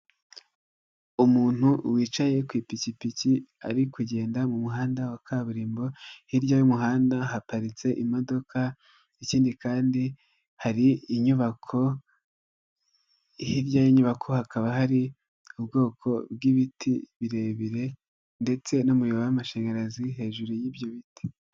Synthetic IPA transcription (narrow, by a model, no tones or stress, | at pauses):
umuːn̥huwiːt͡ʃaje̞kwiːpicipicia̰ɾikuɟe̞ːndamumuɦaːndawakʰaːβuɾiːmbo̞hiɾɟajumuɦaːndaɦapaɾit͡se̞ʔimo̞do̞kʰa | iciːndikaːndi | haɾiːɲuβakʰo̞ | hiɾjajiɲuβakʰo̞hakaβaɦaɾi | ubɡo̞ːkʰo̞bɡiβitʰḭβiɾe̞βiɾe̞ | nde̞t͡se̞nomujoβawamaʃe̞ːŋɡaɾaziɦe̞ːʒuɾujibjoβiti̥